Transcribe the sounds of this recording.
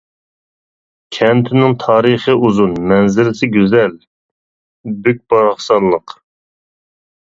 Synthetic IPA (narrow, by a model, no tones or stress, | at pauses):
kʲʰɛnt̪ʰɪnɪŋt̪ʰɑːɾəχəuzunmɛnzɪɾɪsɪɡʲyzɛl | byk̚ʲbɑɾɑχsɑnlˠəq